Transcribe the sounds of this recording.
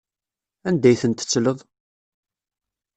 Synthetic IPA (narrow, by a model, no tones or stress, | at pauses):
ænd̪æjθənt̪ə̥t͡sːləðˤ